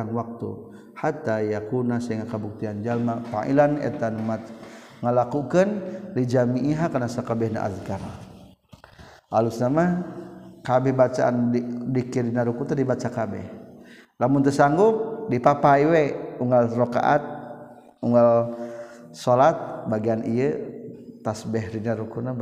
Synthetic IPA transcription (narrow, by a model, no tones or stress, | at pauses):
nwak̚t̪ṵ | hat̪ajakunasaŋakəbuk̚t̪iand͡ʒalmafa̰ʔḭlanɛ̰t̪anumat̪̚ | ŋəlakukənlid͡ʒamiʔːɦakanasakabɛhna̰ʔa̰zkaɾa | ʔalusnama | kabɛhbat͡ʃaʔa̰ndikiɾinaɾukut̪adibat͡ʃakabɛ̰h | lamʊnt̪əsaŋɡuk̚dipapaiweuŋɡalroka̰ʔa̰t̪̚ | uŋɡal | solat̪̚baɡianiə | t̪asbɛɦɾinaɾukuna